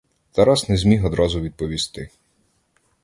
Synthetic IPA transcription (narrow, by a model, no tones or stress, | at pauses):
t̪ɐɾasnɛzʲmʲixɔd̪ɾɔzʊʋʲid̪̚pɔʋʲist̪ɪ